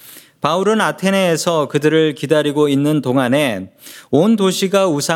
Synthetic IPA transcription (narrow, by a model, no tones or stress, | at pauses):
pauɾɯnatʰe̞neːsʰʌkɯdɯɾɯɭkidaɾiɡoinːɯntoŋane̞ondoɕʰiɡausʰa